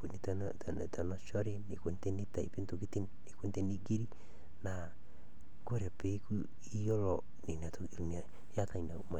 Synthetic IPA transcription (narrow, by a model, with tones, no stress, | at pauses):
po˨ni˦tn˨ | ta˨nɔ˦ʃɔ˦ɾe˦ne˨ke˦nte˦ni˦ta˨i˨pe˦nto˨ki˦ti˦nne˨ke˦nte˦ni˦ɡi˦ɾi˦ | na˨ | kɾɛ˨pe˦ku˦ | i˦jɔ˦lɔ˨ | ni˨na˨to˨ɾu˨m˨a˨˦ | ja˦ta˦i˨na˨u˦ma˨